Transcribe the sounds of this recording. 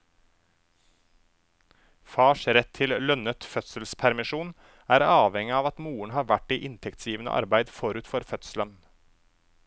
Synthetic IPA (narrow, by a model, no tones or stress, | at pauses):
fɑːʃɾɛt̪ʰɪllœnət̪fœt̪səlspʰæɾmɪʃuːn | æːɾɑːʋɛŋɪɑːʋɑt̪muːəɳhɑːɾʋæʈiːʔɪnt̪ʰɛkt̪sjiːʋənə̰ʔɑ̰ɾbæɪd̪fɔɾʉːt̪fɔɾfœt̪slən